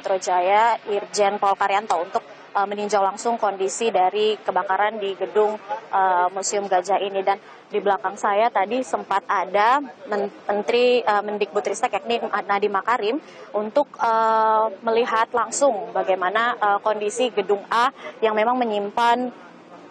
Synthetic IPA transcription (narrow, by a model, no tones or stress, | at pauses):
t̪ɾod͡ʒajaird͡ʒɛnpalkaɾjant̪ount̪ʊk̚ | əməniɲd͡ʒawlaŋsʊŋkondisidaɾikəbakaɾandiɡədʊŋʔəmusiʊmɡad͡ʒainidan | dibəlakaŋsajat̪adisəmpat̪̚adaməmənt̪ɾiəməndɪk̚but̪ɾist̪akɛk̚ninadimakaɾɪm | unt̪ʊk̚əməliɦat̪laŋsʊŋbaɡajmanaʔəkondisiɡədʊŋajaŋmemaŋməɲimpan